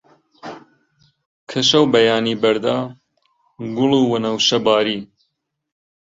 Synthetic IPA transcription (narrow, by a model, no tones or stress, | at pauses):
kʰɐʃɐwbɐjaːniːbɐɾd̪aː | ɡʊluwɐnɐwʃɐbaːɾiː